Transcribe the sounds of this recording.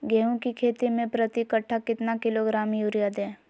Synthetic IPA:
ɡɛːɦõkikʰeːt̪imẽpɾɐt̪ikəʈʰːakɪt̪nakɪloɡɾaːmjuːɾijad̪ẽː

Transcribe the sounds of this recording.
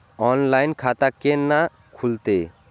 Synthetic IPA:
ɔnlajnkʰat̪akːena | kʰult̪e

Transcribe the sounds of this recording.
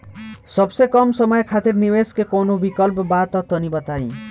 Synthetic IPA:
sɔbsekɔmsɔmɔjɔkʰat̪iɾniweskekonobikɔlpɔbat̪ɔt̪ɔnibɔt̪aĩ

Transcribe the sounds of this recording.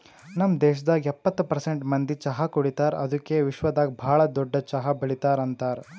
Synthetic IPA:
nɐmd̪ɛːʃɐd̪aːɡiɛpːɐt̪ːupɐɾseɳʈmɐnd̪it͡ʃɐɦɐkoɽit̪aːɾɐ̰d̪ukːeʋiʃʋɐd̪aːɡibʱaːɭɐd̪ɔɖːɐt͡ʃɐɦɐbɐɭit̪aːɾɐnt̪aːɾ

